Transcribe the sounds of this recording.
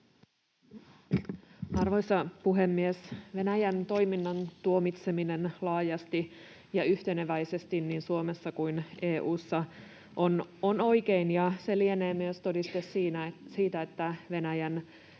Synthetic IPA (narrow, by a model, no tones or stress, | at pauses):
ɑrʋo̞jsɑpuɦe̞mːiesʋe̞næjænt̪o̞jminːɑnt̪uo̞mit̪se̞mine̞nlɑːjɑst̪i | jɑyht̪e̞neʋæjse̞st̪inniːnsuomesːɑkuineːʔuːsːɑ | ʔonono̞jkeinjɑse̞lieneːmyest̪o̞dist̪esiːnæsiːt̪æet̪ːæʋe̞næjæn